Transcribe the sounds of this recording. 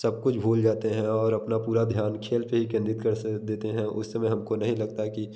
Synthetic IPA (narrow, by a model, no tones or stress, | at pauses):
sɐb̚kʊt͡ʃʰbʱuːld͡ʒaːt̪eɦɛ̃ɔːɾɐpnapuːɾad̪ʱjaːnkʰeːlpeɦikɛ̃nd̪ɪt̪kɐɾd̪eːt̪eɦɛ̃ʔʊ̰sːemɛ̃ɦɐmkonɐɦĩlɐɡ̚t̪aki